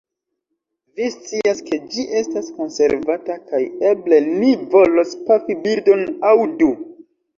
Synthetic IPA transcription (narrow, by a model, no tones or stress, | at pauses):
vist͡siaske̞d͡ʒiʔe̞stasko̞nse̞̰ɾvatakaje̞ble̞nivo̞lo̞spafibildo̞nawdu